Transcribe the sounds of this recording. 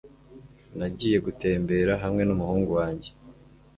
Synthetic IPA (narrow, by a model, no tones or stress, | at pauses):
naɟiːje̞ɡute̞ːmbe̞ɾaɦamŋe̞numuhuːŋɡuwaːɲɟe̞